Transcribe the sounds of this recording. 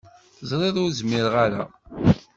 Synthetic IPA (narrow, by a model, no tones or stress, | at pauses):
zˤɾˤeðˤʊɾzmɪɾʁaɾa̰